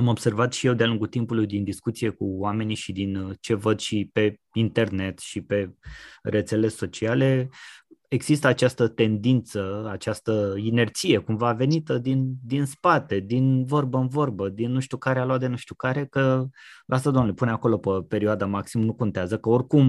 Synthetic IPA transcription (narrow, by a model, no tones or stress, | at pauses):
amo̞b̥se̞rvat̪ʃije̞wd̪ealuŋɡut̪impulujd̪ind̪iskut̪sije̞kuwame̞niʃid̪int͡ʃe̞vəd̪ʃipe̞ | int̪e̞rne̞t̪ʃipe̞re̞t̪se̞le̞so̞t͡ʃiale̞ | eɡz̥ist̪əat͡ʃast̪ət̪e̞nd̪int̪səat͡ʃast̪əine̞rt̪sije̞kumvaːve̞nit̪əd̪ind̪inspat̪e̞d̪invo̞rbəɨnvo̞rbəd̪inːuʃt̪ukaɾealoat̪d̪e̞nuʃt̪ukaɾe̞kəlʔas̬t̪ad̪oamnulepuneako̞lo̞pəpe̞ɾioad̪amaksimənuko̞nt̪eazəkəorkum